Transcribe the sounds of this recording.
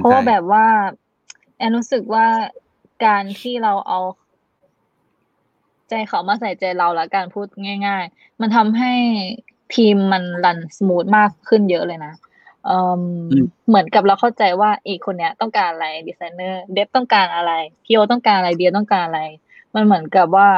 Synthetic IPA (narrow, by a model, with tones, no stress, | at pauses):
pʰɔ˦wwaː˥˩bɛː˨˩p̚waː˥˩ | ʔɛː˧˩nɾuː˦˥sɯ˨˩k̚waː˥˩ | kaː˧nt̪ʰiː˥˩ɾa˧wʔa˧w | t͡ɕa˧jkʰa˨˩˦wmaː˧˥˩sa˨˩˦jt͡ɕa˧jla˧wla˧˦˥kaː˧npʰuː˥˩t̪̚ŋaː˥˩jŋaː˥˩j | ma˧nt̪ʰa˧mɦa˥˩j | t̪ʰiː˧mːa˧nla˧˩nsa˧mu˨˦˥t̪̚maː˥˩kʰːɯ˥˩njɤ˦˥ʔlɤː˧jna˦˥ | ʔɤː˧mːɯ˩˦ənka˨˩p̚la˧wkʰa˥˩wt͡ɕa˧jwaː˥˩ʔiː˨˩kʰːo˧nːi˦˥ɐ˧t̪ɔ˥˩ŋkaː˧˩nʔa˧la˧jdiː˧sa˧˦jnɤː˥˩de˦˥p̚t̪ɔ˥˩ŋkaː˧nʔa˧ɾa˧jt̪ʰiː˥˩wa˧t̪ɔ˥˩ŋkaː˧nʔa˧ɾa˧jdi˧t̪ɔ˥˩ŋkaː˧˩nʔa˧ɾa˧j | ma˧nmɯ˨˩˦ənka˨˩p̚waː˥˩